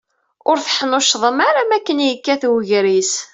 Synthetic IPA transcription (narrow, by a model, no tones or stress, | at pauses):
ʊɾθħənʊʃðˤəmaɾamækːənjəkːæθwʝɾis